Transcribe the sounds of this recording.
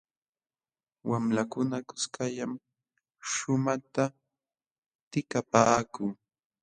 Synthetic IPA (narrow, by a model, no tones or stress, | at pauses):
wamlakʊnakʊ̥skajam | ʃʊmat̪a | t̪ɪkapaːkʊŋ